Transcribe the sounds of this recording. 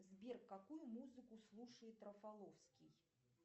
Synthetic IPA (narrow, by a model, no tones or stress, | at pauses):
zʲbʲɛrkːakujumuzɨkʊslˠuʂəjɪt̪ːɾəfalˠɔfskʲij